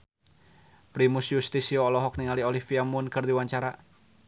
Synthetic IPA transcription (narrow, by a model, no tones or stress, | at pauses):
pɾimusjust̪isioːlɔɦɔk̚niŋaliolihfiamʊnkɨrd̪iwaɲt͡ʃaɾa